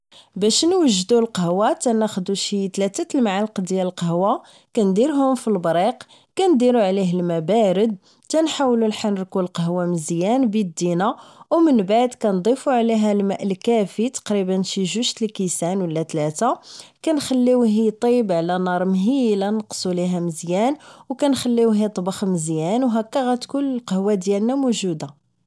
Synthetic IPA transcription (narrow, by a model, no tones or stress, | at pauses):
bæʃnwəʒːd̪ulqəhwat̪ænæxd̪uʃit̪læt̪æt̪əlmʕalqd̪jæləlqɑɦwa | kænd̪iɾɦʊmfilbɾiq | kænd̪iɾuʕliɦəlmæbæɾəd̪̚ | t̪ænħawlulħanɾkulqəɦwaməzjænbid̪ːinawmənbaʕd̪kænd̪ˤifuʕliɦælmæʔəlkæfit̪ɑ̥qɾibənʃiʒuʃt̪əlkisænwəlːæt̪læt̪akænxælːiwɦit̪ˤibʕlænɑɾˤmɦilænəqsˤuliɦæməzjænwkænxælːiwɦit̪ˤbɑxməzjænwɦækːæɣæt̪kunəlqəhwad̪jælnæmuʒud̪a